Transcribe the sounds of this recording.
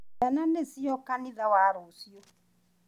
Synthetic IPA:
ananesiɔkaniðawaɾosio

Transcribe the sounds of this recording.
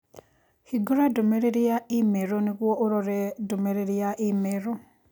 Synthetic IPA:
hiɡuɾadumeɾeɾijaimeɾonikwoʔuɾoɾedumeɾeɾijaʔimeɾo

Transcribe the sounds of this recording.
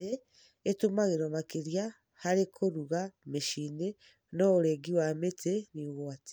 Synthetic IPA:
eː | tumaɣeɾomakiɾja | haɾekʰoɾuɣameʃiːne | nooɾeɡiwameteniɣoate̥

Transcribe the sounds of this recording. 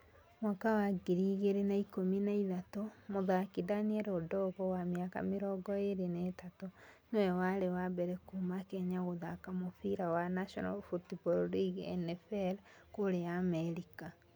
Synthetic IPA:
makawaɡiɾiɣeɾenaikominaiðatomoðakidaniɛɾodɔɣɔwameaka̰meɾɔɡɔeɾenetatonowɛwaɾewabɛɾɛkumakɛɲaɣoðakamofiɾawanaʃɔna̰lfutibɔɾɾiɡɛ̰nɛfɛɾ | koɾejamɛɾika

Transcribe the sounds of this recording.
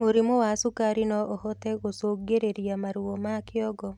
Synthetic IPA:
oɾimowasukaɾinɔʔɔhɔtɛɣosoːɡeɾeɾjamaɾuɔmakɪɔɡɔ

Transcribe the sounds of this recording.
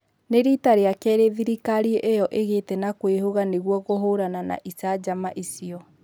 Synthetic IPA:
neɾitaɾeakɛɾeðiɾikaɾieʔejɔʔeɣetɛnakwehoɣaneɣwɔɣoɦoɾanana̰ʔisad͡ʑamaʔisiɔ

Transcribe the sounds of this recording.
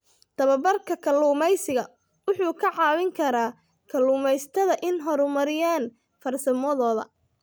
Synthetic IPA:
t̪ʰɐβɐbɐrkʰɐkʰɐlːuːmɛjsɪɣɐ | wʊħuːkʰɐʕɑːwɪŋkʰɐɾaː | kʰɐlːuːmɛjst̪ʰɐðɐʔɪnɦɔɾʊmɐɾɪjaːn | fɐrsɐmɔðɔːðɐ̰

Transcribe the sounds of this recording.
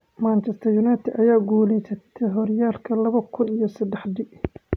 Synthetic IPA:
maːnt͡ʃɛst̪ʰɐrjʊnat̪ʰɪd̪ɐjaːɡuːlɛjsɐt̪ʰɛɦɔrjaːlkʰɐlɐβɐkʰʊnijɞsɐd̪ɛħdɪ

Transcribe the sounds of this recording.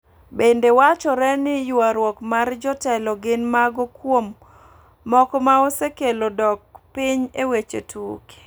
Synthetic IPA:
bendewat͡ʃɔɾɛnɪjwaɾwɔkmard͡ʒɔtɛlɔɡɪnmaɡɔkwomː | ɔkɔmaɔsekelodɔk̚pɪɲewet͡ʃetuke̥

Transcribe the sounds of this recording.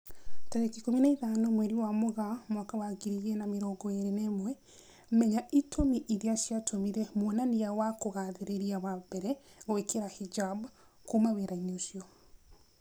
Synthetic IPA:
taɾekikominaiðanomwɛɾiwamoɣamwakawaɡiɾiɣɛnameɾɔːɡɔeɾinɛːmwɛ | mɛɲaitʰomiʔiɾiaʃjatʰomiɾɛmwonanijawakoɣaðeɾeɾiaβabɛɾɛɣwekeɾahid͡ʒab | kumaweɾaiɲosiɔ

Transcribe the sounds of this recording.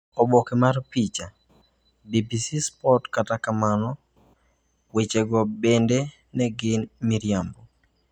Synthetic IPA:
ɔbɔkɛmaɾpit͡ʃa | bibisispɔtkatakamanɔ | wet͡ʃeɡɔbende | nɛɡɪnmiɾjambɔ

